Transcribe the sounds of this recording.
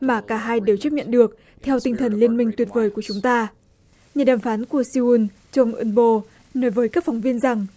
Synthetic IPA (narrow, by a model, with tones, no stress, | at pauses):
maː˨˩kaː˧˩ɦaː˧jɗe˨˩wt͡ɕə˦˥p̚ɲə̰˧˨nɗɨ˨˩ək̚ | t̪ʰɛ˧wt̪ï˧ŋ̟t̪ʰə˨˩nli˧ənmï˧ŋ̟t̪wi˨˩ət̚vəː˨˦jku˧˩ət͡ɕʊ˨˦ŋ͡mt̪aː˧ | ɲaː˨˩ɗaː˨˩mfaː˨˦nku˧˩əsi˧u˧n | t͡ɕə˧wŋ͡mʔɨ˧nɓo˧ | nɔ˨˦jvəː˨˦jkaː˦˥k̚fɔ˨˦wŋ͡mvi˧ənza˨˩ŋ